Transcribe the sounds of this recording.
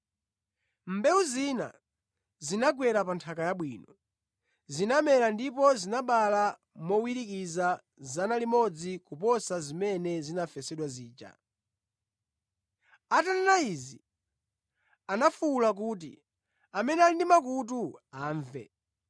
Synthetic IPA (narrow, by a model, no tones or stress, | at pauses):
m̩bɛuzina̰ | zinaɡwɛɾapantʰakajaɓwiːnɔ | zinamɛlandipɔzinaɓala | mɔwiɾikiza | zanalimɔd͡zikupɔsazimɛnɛzinafɛsɛɗwaziːt͡ʃa̰ | atananaizḭ | anafuːlak̬uːt̬ḭ | amɛnɛalindimakut̬uaːɱvɛ̰